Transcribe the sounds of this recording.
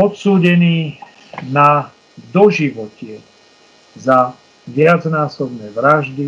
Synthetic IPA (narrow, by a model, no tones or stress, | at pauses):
ɔt̪suːɟɛniː | na | d̪ɔʒiʋɔcɪɛ | za | ʋɪad͡znaːsɔbnɛːʋɾaʒd̪i